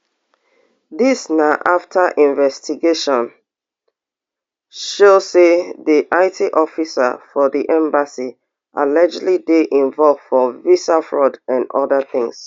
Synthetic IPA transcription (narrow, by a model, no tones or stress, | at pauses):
ðisnaʊʔaftʰəʔĩɱvɛstiɡeʃɔ̃n | ʃoseðiʔaɪtʰiʔɔfisə̰fɔðiʔɛ̃mbasi | ʔa̰lɛd͡ʒlideʔĩɱvɔlv̥fɔvisafɹɔdãnɔ̰ðəθɪ̃ŋs